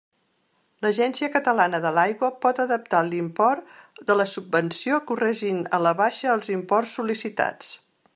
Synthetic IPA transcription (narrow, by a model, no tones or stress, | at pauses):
ləʒɛnsiəkət̪əlanəðəlajɣwəpɔt̪əðəp̚t̪alimpɔrt̪d̪ələsubːənsiokurɛʒinə̰ləβaʃəːlˠzimpɔrsːulisit̪a̰t͡s